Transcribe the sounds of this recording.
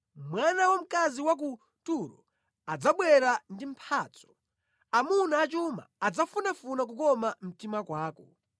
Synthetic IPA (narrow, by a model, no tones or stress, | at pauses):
mwanawɔm̩kaziwak̬u | tuɾɔ̰ | ad͡zaɓwɛɾandim̩pʰaːt͡sɔ̥ | amunaːt͡ʃuma̰ːd͡zafunafunak̬ukɔmam̩timakwaːkɔ̰